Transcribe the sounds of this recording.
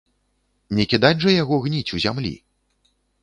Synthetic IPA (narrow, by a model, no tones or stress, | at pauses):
nʲɛkʲid̪ad͡zʲʐɐjaɣɔɣnʲit͡sʲuzʲamlʲḭ